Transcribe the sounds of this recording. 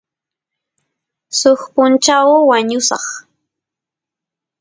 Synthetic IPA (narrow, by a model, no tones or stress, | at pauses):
soχpʊnt͡ʃawwaɲʊsɑ̰χ